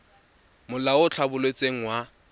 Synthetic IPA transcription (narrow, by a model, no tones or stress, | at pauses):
mʊlaʊt͡ɬʰabʊlet͡sʼeŋ̩wa